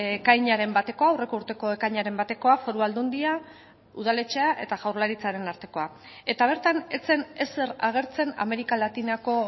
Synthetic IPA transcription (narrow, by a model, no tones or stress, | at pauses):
ekajɲaɾe̞mbat̪e̞ko̞aawre̞kouɾt̪eko̞ekajɲaɾe̞mbat̪e̞ko̞afo̞ɾuald̪und̪ia | uðale̞t͡ʃeaʔe̞̰t̪aɣawɾlaɾit͡saɾe̞naɾt̪e̞ko̞a | e̞t̪aβ̞e̞ɾt̪ane̞t͡se̞ne̞se̞raɣ̞e̞ɾt͡se̞na̰me̞ɾikalat̪inako̞